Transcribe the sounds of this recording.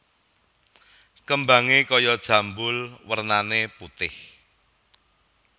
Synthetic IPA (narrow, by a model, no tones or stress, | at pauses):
kəmbaŋekɔjɔd̥ʒ̥ä̤mbʊlwərnaneput̪ɪh